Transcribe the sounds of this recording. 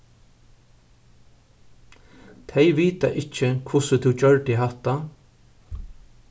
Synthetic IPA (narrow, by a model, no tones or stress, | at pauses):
t̪ʰɛjʋiːt̪a̰ʔɪt͡ʃɪkʰʊsət̪ʰʊwt͡ʃœɹʈɪɦat̪a